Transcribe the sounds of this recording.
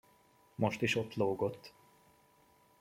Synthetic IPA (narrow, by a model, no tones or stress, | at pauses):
mo̞ʃt̪iʃot̪loːɡo̞t̪ː